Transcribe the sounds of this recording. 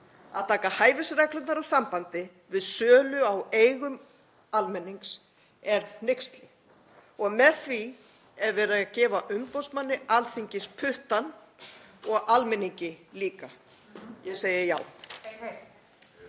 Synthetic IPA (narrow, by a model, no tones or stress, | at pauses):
a̰ðt̪ʰaːkahaːjvɪsɾɛklʏnaɾasampant̪ɪ | vɪðsœːlʏawejɣʏm | almɛnːiŋks | ɛɾðnejkst̪lɪ | ɔɣmɛðθvi | ɛɾvɛːɾaacɛːvaʔʏmpaw̪smanːɪʔalθiɲcɪspʰʏht̪an | ɔɣalmɛnːiɲcɪliːka | jɛseːjɪja̰ːw